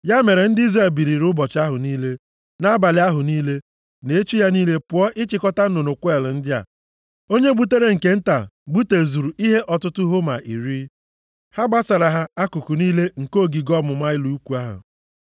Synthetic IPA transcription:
ja˦me˨ɾe˨n̩˦dɪ˦i˦zre˦˨lbi˨ɾi˨ɾʊ˦bɔ˨t͡ʃa˦ɦʊ˨niː˦le˦ | na˦ba˨lɪ˨˦a˦ɦʊ˨niː˦le˦ | ne˨e˦t͡ʃu˦ja˦niː˦le˦pʊ˨ɔ˦ʔɪ˦t͡ʃɪ˨kɔ˦ta˦n̩˦no˨no˨kʷe˦˨ln̩˦dɪ˦a̰˨ | o˦ɲe˦bu˦te˦ɾe˦ŋ̩˨ke˦n̩˦ta̰˨ɡ͡bu˦te˨zu˨ɾu˨ʔi˦ɦe˦ʔɔ˨tʊ˦tʊ˦ɦo˦ma˨ʔi˨ɾi˦ | ha˦ɡ͡ba˦sa˨ɾa˨ɦa˦a˦ku˨ku˨niː˦le˦ŋ̩˨ko˦˨ɡi˨ɡɔ˦mʊ˨ma˦ɪ˦lu˨u˦ku˨a˦ɦʊ̰˨

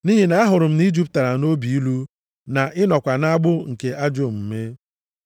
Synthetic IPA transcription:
ni˦ɦi˨na˦a˦ɦʊ˨ɾʊ˨m̩˦ni˦d͡ʒi˦p̚ta˨ɾa˨no˦bi˨i˦lu˦ | na˨ʔɪ˦nɔ˨kʷa˨na˦a˦ɡ͡bʊ˦ŋ̩˨ke˨ʔa˦d͡ʒo˦˨m̩˨me˦

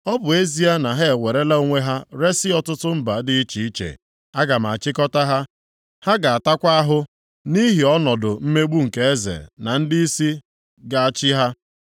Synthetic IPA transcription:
ɔ˦bʊ˨e˦zi˦a˦na˨ɦe˦e˨we˨ɾe˦la˦o˦ŋʷe˦ɦa˦ɾe˦sɪ˦ɔ˦tʊ˦tʊ˦m̩˦ba˨dɪ˨i˦t͡ʃi˨i˦t͡ʃḛ˨ | a˦ɡa˨m̩˨a̰˨t͡ʃɪ˦kɔ˦ta˦ɦa˦ | ha˦ɡa˨a˨ta˦kʷa˦a˦ɦʊ˦ | ni˦ɦi˨ɔ˦nɔ˨dʊ˨m̩˦me˦ɡ͡bu˦ŋ̩˨ke˨e˦zḛ˨na˨n̩˦dɪ˦i˦si˦ | ɡa˨a˨t͡ʃɪ˦ɦa˦

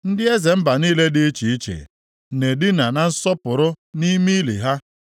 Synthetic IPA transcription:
n̩˦dɪ˦e˦ze˨m̩˦ba˨niː˦le˦dɪ˦t͡ʃi˨i˦t͡ʃḛ˨ | ne˨dɪ˦na˨na˨n̩˦sɔ˦pʊ˨ɾʊ˦ni˦mi˦lḭ˨ɦa˦

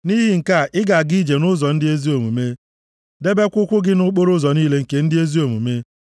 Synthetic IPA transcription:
ni˦ɦɪ˦ŋ̩˨ka˦˨ʔɪ˦ɡa˨ɡi˦d͡ʒe˨nʊ˦zɔ˨n̩˦dɪ˦e˦zi˦o˨mu˨me˦ | de˦be˦kʷʊ˦kʷʊ˦ɡɪ˦nʊ˦k͡po˦ɾʊ˦zɔ˨niː˦le˦ŋ̩˨ke˨n̩˦dɪ˦e˦zi˦o˨mṵ˨me˦

